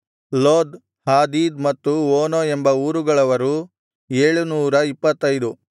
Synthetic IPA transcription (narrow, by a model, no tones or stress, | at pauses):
loːd̪ | haːd̪iːd̪mɐt̪ːuoːnoːembɐuːɾuɡɐɭɐʋɐɾu | eːɭunuːɾɐipːɐt̪ːɐjd̪u